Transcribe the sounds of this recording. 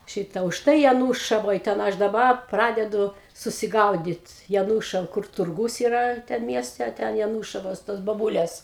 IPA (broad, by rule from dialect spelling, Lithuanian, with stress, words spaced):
ˈʃʲɪtɐ ʊʃˈtɐɪ jɛˈnuːʃɐʋoːj tʲɛn ˈɐʃ dɐˈbɐ ˈprɑːdʲɛdʊ sʊsʲɪˈɡɐʊdʲɪt jɛˈnuːʃɐʋɐ kʊr tʊrˈɡuːs iːˈrɐ ˈtʲɛn ˈmʲiɛsʲtʲɛ ɐ ˈtʲɛn jɛˈnuːʃɐʋoːs toːs boːˈbʊlʲeːs